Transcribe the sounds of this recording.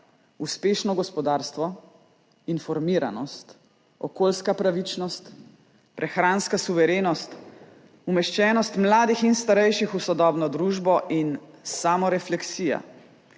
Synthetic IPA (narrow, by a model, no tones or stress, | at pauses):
uspeːʃnɔɡɔspɔd̪aːɾst̪ʋɔ | infɔɾmiːɾa̰nɔst̪ | ɔkoːlskapɾaʋit͡ʃnɔst̪ | pɾʔɛxɾaːnskasuʋɛɾeːnɔst̪ | umɛʃt͡ʃɛːnɔst̪mlaːd̪ixinst̪aɾɛjʃixusɔd̪ɔːbnɔd̪ɾuːʒbɔʔinsamɔɾɛflɛksiːja̰